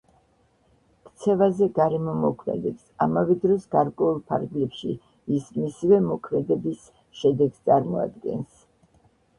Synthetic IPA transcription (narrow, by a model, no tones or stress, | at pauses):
kʰt̪sʰɛvazɛɡaɾɛmɔmɔkʰmɛ̰d̪ɛbsamavɛd̪ɾɔsɡaɾkʼwɛulˠpʰa̰ɾɡlɛpʃḭ | ismisivɛmɔkʰmɛd̪ɛbis | ʃɛd̪ɛɡst̪sʼaɾmɔa̰d̪ɡɛ̰ns